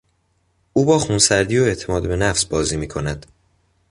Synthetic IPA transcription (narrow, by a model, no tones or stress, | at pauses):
ʔuːbɒːxunsæɾd̪iːjoe̞ʔt̪ʰe̞mɒːd̪be̞næfsbɒːziːmiːkʰo̞næd̪̥